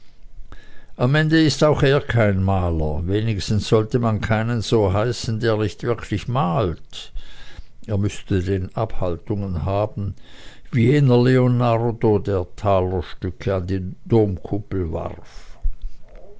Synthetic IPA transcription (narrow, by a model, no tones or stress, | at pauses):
ʔamʔɛndəɪstaʊxeːɐkʰaɪnmaːlɐ̰veːnɪçstn̩sz̥ɔltəmankʰaɪnənz̥oːɦaɪsn̩deːɐnɪçtv̥ɪɐkʰlɪçmaːlt | ʔeːɐmʏstədeːnʔaphaltʊŋənɦaːbn̩viːɛnɐleonaʁdodeːɐtʰaːlɐʃtʏkʰəandiːd̥oːmkʰʊpl̩va̰ʁf